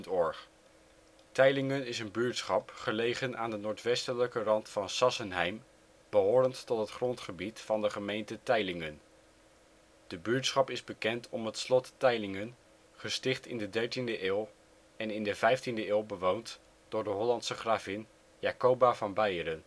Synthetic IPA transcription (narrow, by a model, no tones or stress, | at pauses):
ntɔɹχ | tɛjlɪŋənɪsənbyːɹtsχɑpχəlejχənʔa̰ːndənʊːɹtʋɛstələkərɑntfɑnsɑsənɦɛjm | b̥əɦoːɾəntːɔtɦətχrɔntχəbitfɑndəχəmejntətɛjlɪŋən | d̥əbyːɹtsχɑpɪzbəkɛntʰɔmɦətslɔtːɛjlɪŋən | χəstɪχtɪndədɛɹtindəʔɪːlˠ | ɛnɪndəvɛjftindəɪːlˠbəʋownt | d̥ʊːɹdəɦɔlɑntsəχraːvɪn | jaːkowbavɑnbɛjəɾən